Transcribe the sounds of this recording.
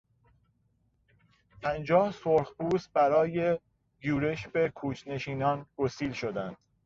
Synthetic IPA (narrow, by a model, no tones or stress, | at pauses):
pʰænd͡ʒɒːhsoɾχbuːsbæɾɒːje̞ | ɡuːɾe̞ʃbe̞kʰuːt͡ʃʰne̞ʃiːnɒːnɡosiːlʃod̪ænd̪̥